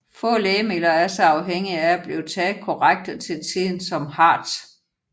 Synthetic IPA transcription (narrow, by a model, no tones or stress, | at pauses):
fɔ̰̽ːleːme̝lɐæɐsɑɑ̈ʊɦeŋ̰iææb̥liʊt͡sʰɛːð̩ˠkʰɒʁaɡ̥̚d̥ət͡sʰe̝lt͡sʰið̰ˠn̩sɒ̽mhɑ̈ːd̥